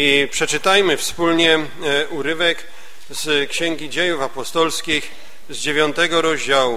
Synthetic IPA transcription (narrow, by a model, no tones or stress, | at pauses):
ipʂɛt͡ʂɘt̪ajmɘfspulɲɛ | ʔuɾɘvɛk | z̥kɕɛŋɡʲid͡ʑejufapɔst̪ɔlskʲix | zd͡ʑevʲjɔnt̪ɛɡɔɾɔʑd͡ʑawu